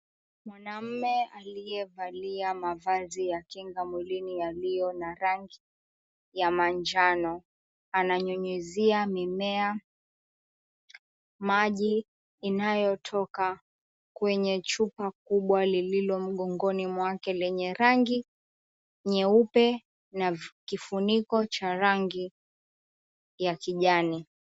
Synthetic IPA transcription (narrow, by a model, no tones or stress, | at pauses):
mwanam̩mɛalijɛvaliamavazijakiŋɡamwilinijalijɔnaɾaŋɡi | jamand͡ʒanɔ | anaɲuɲiziamimɛa | maʄiː | najɔtʰɔka | kwɛɲɛt͡ʃupak̚uɓwalililɔm̩ɠɔŋɡɔnimwakɛlɛɲɛɾaŋɡi | ɲɛupɛ | nakifunikɔt͡ʃaɾaŋɡi | jakiʄani